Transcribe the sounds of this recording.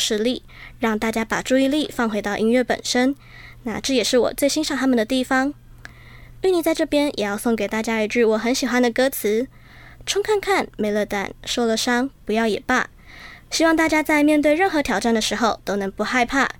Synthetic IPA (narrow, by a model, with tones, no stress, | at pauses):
ʂɻ̩˥˧li˥˩ | ɻɑ˥˧ŋt̪a˥˩t͡ɕja˥pa˨˩ʈ͡ʂu˥˧i˥˧li˥˩fɑ˥˩ŋxwe˧˥ɪɑ˥˩ʊʔi˥ŋɥɛ˥˩pə̰˨˩nʂə˥n | na̰˥˧ʈ͡ʂɤ˥˩jɛ˨˩ʂɻ̩˥˩wɔ̰˨˩t͡swe˥˩ɪɕi˥nʂɑ˥˩ŋt̪ʰa˥mə˨nd̪ə˩t̪i˥˩fɑ˧˥ŋ | y˥˩ni˨˩t͡sa˥˧ʈ͡ʂɤ˥˩pjɛ˥njʔɛ˨˩jɑ˥˧ʊso˥˩ŋke˨˩ɪt̪a˥˩t͡ɕja˥y˧˩ʈ͡ʂɻ̩˥˩wɔ˧˥xə˧˥nɕi˨˩xwa˦˥nd̪ə˨˩kɤ˥t͡sʰɹ̩˧˥ | ʈ͡ʂʰʊ˥ŋkʰa˥˧nkʰa˥˩nme˧˥ɪlə˥˩t̪a̰˨˩nʂo˥˩lə˩ʂɑ˥ŋpu˧˥jɑ˥˩ʊjɛ̰˨˩pa̰˥˩ | ɕi˥wɑ˥˧ŋt̪a˥˩t͡ɕja˥t͡sa˥˧ɪmjɛ˥˧nt̪we˥˧ɪɻə˥˩nxɤ˧˥t̪ʰjɑ˨˩ʊʈ͡ʂa˥˩nd̪ə˩ʂɻ̩˧˥xo˥˧ʊt̪o˥ʊnɤ˧˥ŋpu˧˥xa˥˧ɪpʰa̰˥˩